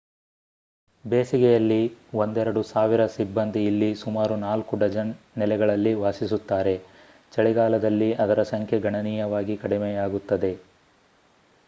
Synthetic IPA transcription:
beːsiɡɛjɐlːiʋond̪ɛɾɐɽusaːʋiɾɐsibːɐnd̪ʱiːlːisumaːɾunaːlkuɖɐd͡ʒɐn | nɛlɛɡɐɭɐlːiʋaːsisut̪ːaːɾe̞ | t͡ʃɐɭiɡaːlɐd̪ɐlːiɐd̪ɐɾɐsɐŋkʰjeɡʱɐɳɐniːjɐʋaːɡikɐɽimejaːɡut̪ːɐd̪e̞

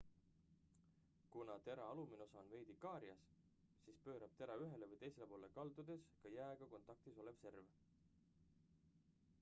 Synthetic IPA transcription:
kunɑt̪e̞ɾɑɑlumino̞sɑonve̞jd̪ikɑːɾiɑs | sispø̞ːɾɑb̥̚t̪e̞ɾɑyɦe̞levɯjt̪e̞jse̞lepo̞ːle̞kɑld̪ud̪e̞skɑjæːɡ̥ɑko̞nt̪ˑɑk̚t̪iso̞le̞v̥se̞rv

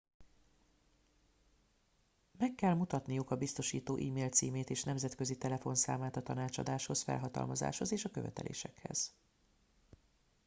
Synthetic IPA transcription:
mɛkːɛlmut̪ɒt̪nijukɒbist̪o̞ʃiːt̪oːʔiːmeːlt̪siːmeːt̪eːʃnɛmzɛt̪kø̞zit̪ɛlɛfo̞nsa̰ːmaːt̪ɒt̪ɒnaːt͡ʃɒ̰d̪aːʃho̞sfɛ̰lɦɒt̪ɒ̰lmɒza̰ːʃho̞zeːʃɒkøvɛ̰t̪ɛ̰lʔḛːʃɛkhɛ̰z̥

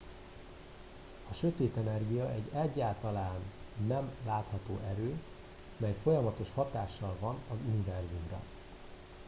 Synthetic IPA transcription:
ɒʃø̞t̪eːt̪ɛnɛrɡijɒɛɟːɛɟːaːlt̪ɒlaːnːɛmlaːt̪hɒt̪oːʔɛɾøː | mɛjfo̞jɒmɒt̪o̞ʃhɒt̪aːʃːɒlvɒnɒzunivɛrzumrɒ̰

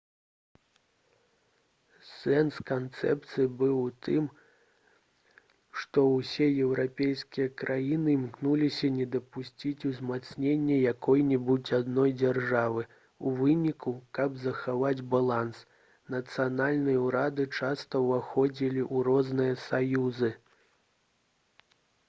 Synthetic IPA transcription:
sɛnskant̪sɛ̰p̚t̪sɨjibɨwt̪ʰɨm | ʂt̪ɔwsʲɛjɛwɾapʲejskʲijɐkɾʔajinɨmknulʲisʲɐnʲɛd̪ɐpusʲt͡sʲit͡sʲuzmat̪snʲenʲːɛjakʰɔjnʲɛbut͡sʲad̪nɔjd͡zʲɛrʐavɨ | uvɨnʲikukɐbzɐxavad͡zʲbalˠans | nɐt̪sɨjanalʲnɨjɐuɾad̪ɨt͡ʂast̪ɐvaxɔd͡zʲilʲiʔuɾɔznɨjɐsajuzɨ

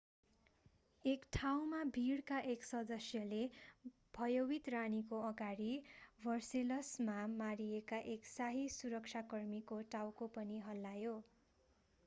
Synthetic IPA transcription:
ekʈʰawmabʱiɽkaʔeksʌd̪ʌsjʌle | b̥ʱʌjowit̪ranikoʌɡaɽibʱʌrselʌsmamaɾijekaʔeksaɦisuɾʌkt͡sʰakʌrmikoʈawkopʌniɦʌlːajo

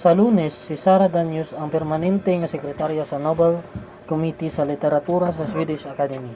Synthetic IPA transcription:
salunɛsːisaɾad̪aɲusaŋpɛrmanɛnt̪eŋasɛkɾɛt̪aɾjasanɔbɛl | kɔmit̪isalit̪ɛɾat̪uɾas̬aswidisakad̪ɛmi

